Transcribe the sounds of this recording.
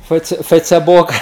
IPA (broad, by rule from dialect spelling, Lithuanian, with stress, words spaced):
ˈfəɪt͡sʲɛ ˈfəɪt͡sʲɛboːk